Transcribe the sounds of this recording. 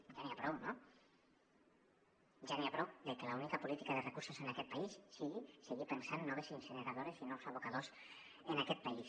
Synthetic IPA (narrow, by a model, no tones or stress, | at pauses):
ʒaniapɾowno | ʒaniapɾowd̪əlkelaunikapulit̪ikaðərekuɾsozenakɛt̪paisːiɣiseɣipənsanːoβesinsəneɾað̞oɾesinɔwsaβukað̞os | ənakɛt̪̚pais